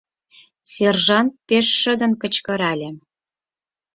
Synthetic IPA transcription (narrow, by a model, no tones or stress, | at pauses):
serʒɑnt̪̚peʃːə̆d̪ə̆nkə̆t͡ɕkɤ̆ɾɑlʲĕ